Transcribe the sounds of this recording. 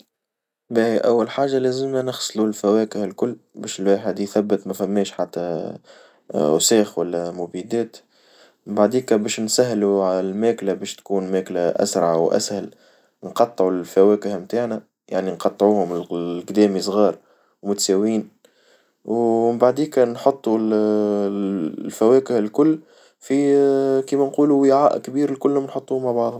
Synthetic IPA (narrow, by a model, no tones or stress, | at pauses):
bæʔæwːælħaːʒːalæːzəmːænəxsˤlulfæwɛːkəhlkʊlːbɛːʃɪlwaːħəd̪jθæbːət̪mæfæmːɛːʃħat̪ːæ | ʔʊ̰sɛːxwælːæmʊbid̪ɛːt̪ | ɪmbaʕd̪iːkæbɛːʃnsæɦːluʕalælmæːklæbɛːʃt̪kuːnmæːklæʔæ̰sɾˤɑʕawʔæ̰shɪl | nqɑt̪ˤːʕulfæwæːkɪhmt̪aːʕnæ | jaʕninqɑt̪ˤːʕuːhʊmɪlqd̪ɛːmisˤɣɑːɾˤ | wmʊt̪sæːwiːn | wɪmbaʕd̪iːkænħot̪ˤːul | lfæwɛːkɪhɪlkʊlː | fikiːmænquːluwɪʕaːʔkbiːɾɪlkʊlːhʊmnħot̪ˤːuːhmaʕbɑʕd̪ˤhʊm